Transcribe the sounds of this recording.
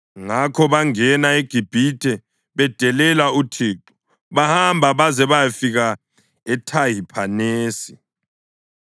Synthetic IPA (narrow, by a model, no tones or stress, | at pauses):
ŋakʰɔβaŋɛnaeɡ̥ʱib̥ʱitʰʼɛ | βɛd̥ʱɛlɛlautʰiːǃu̥ | βahambʱaβazɛβajafiɣa | ɛtʰajipʰaneːsi̥